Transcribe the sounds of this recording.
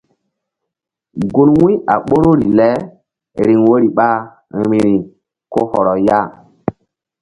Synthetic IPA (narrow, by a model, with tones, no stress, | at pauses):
ɡu˦nwũ˦a˨ɓo˦ɾo˦ɾi˨lɛ˦ | ɾi˨ŋwo˦ɾi˨ɓa˦˨ | ɾi˨ɾi˨ | ko˦hɔ˨ɾɔ˨ja˦˨